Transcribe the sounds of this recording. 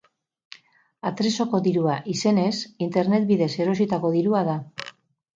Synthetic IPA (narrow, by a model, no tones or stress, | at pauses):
at̪ɾe̞so̞ko̞ðiɾuaʔise̞ne̞sint̪e̞ɾne̞t̪̚biðe̞se̞ɾo̞sit̪ako̞ðiɾuaða